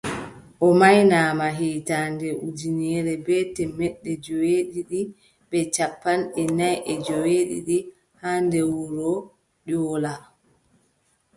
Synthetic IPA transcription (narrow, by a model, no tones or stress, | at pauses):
ʔɔmajnaːmaɦiːtandɛʔud͡ʒiniɛɾɛbɛtɛmɛɗːɛd͡ʒɔweɗiɗi | ɓɛt͡ʃapːanɛnajʔɛd͡ʒɔweɗḭɗi | handɛwuɾɔ | ɗɔːla